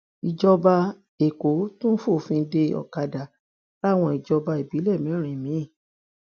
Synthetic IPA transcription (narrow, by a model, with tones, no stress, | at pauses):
i˨d͡ʒɔ˧ba˧ | e˨ko˨˦tũ˦n̩˦fo˦˨fĩ˧˦de˧ɔ̰˨ka˧da˨ | la˦˨w̃ɔ̃˧i˨d͡ʒɔ˧ba˧e˨bi˨˦lɛ˦˨mĩ˨˦ɾ̃ĩ˨mĩ˨˦i˦˨